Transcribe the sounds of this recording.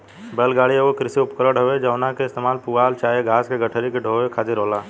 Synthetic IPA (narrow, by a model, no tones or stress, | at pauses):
belɡaɽieokɾɪsiupkəɾəɽɦəbed͡ʒəʊnakest̪emaːlpualt͡ʃaːeɡʱaːskeɡəʈʰəɾikeɖʱowekʰad͡ʒiɾəla